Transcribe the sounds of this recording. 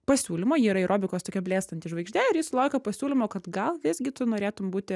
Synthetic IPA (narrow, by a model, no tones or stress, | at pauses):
pɐsʲuːlʲɪmoːjiːɾɐɪɾʔoːbʲɪkoːst̪oːkʲɛbʲlʲeːst̪ɐnt̪ʲɪʃʋɐɪɡʒʲt̪ʲæɪɾjiːsʊlˠɐʊkʲopɐsʲuːlʲɪmoːkɐt̪ɡɐlˠʋʲɪzʲɡʲɪt̪ʊnoːɾʲeːt̪ʊmbuːt̪ʲɪ